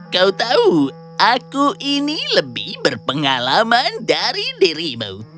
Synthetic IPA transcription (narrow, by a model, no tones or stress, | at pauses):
kaut̪au | ʔakuʔiniləbɪhbərpəŋalamandaɾidiɾimṵw